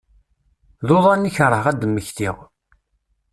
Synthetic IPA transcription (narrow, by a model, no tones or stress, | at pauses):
ðoðˤɑnːiçəɾˤəhʁæd̪əmːəçθiʁ